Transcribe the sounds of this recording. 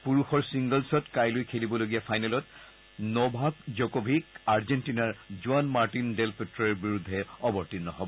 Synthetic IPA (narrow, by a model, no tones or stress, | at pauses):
puɹuxɔɹsiŋɡɔlsɔtkajlojkʰelibɔloɡijapʰajnɛlɔt | nɔbʱakzɔkɔbʱikaɹzɛntinaɹzuanmaɹtindɛlpɛtɹɔɛɹbiɹud̪ʱːɛɔbɔɹtinːɔɦɔbɔ